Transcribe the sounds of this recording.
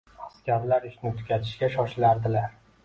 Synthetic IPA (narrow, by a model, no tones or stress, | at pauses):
askʲaɾlaɾɪʃnɪt̪ʰʊ̥kʲat̪ʰɪ̥ʃɡʲaʃɒʃlaɾd̪ɪlaɾ